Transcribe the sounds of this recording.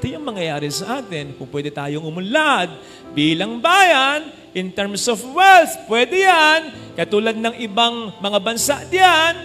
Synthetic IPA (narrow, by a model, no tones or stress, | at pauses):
t̪ojʊŋmɐŋjɐjaːɾɪsɐʔaːt̪ɪnkʊŋpwɛːd̪ɛt̪aːjoŋʊmʊlad̪̚ | biːlɐŋbaːjɐn | ʔɪnt̪ɛɹmsofwɛlt̪pwɛd̪ɛjankɐt̪uːlɐd̪̚nɐŋʔɪbaŋmɐŋabɐnsaʔd̪ɪjan